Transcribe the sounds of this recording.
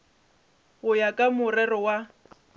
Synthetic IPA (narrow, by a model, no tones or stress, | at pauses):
ɣʊjakʼamʊrɛrɔwa